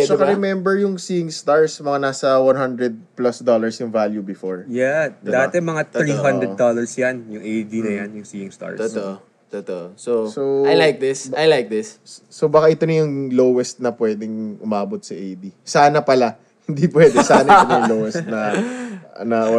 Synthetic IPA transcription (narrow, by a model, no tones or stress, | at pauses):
ɛɛkɐɾɛmɛmbɛɹjʊŋsiːɪŋst̪aɹsmɐŋanaːsɐwɐnhɐnd̪ɹɛd̪̚plɐsd̪olɐɹsjʊŋvaljubɪfoɹjɛɐd̪at̪ɛmɐŋat̪ɾiɦɐnd̪ɾɛd̪olɐɹsjanjʊŋʔejd̪inɐjanjʊŋsiɪŋst̪a̰ɹoʔ | t̪ot̪oʔsosoajlajk̚d̪ɪsajlajk̚d̪ɪssobɐkaʔɪt̪onɐjʊŋlowɛst̪̚nɐpwɛd̪ɛŋʔʊmaːbot̪̚sɐʔejd̪isaːnɐpɐla | hɪ̃nd̪ipwɛːd̪ɛsaːnɐʔtonjʊlowɛst̪nɐ | nɐ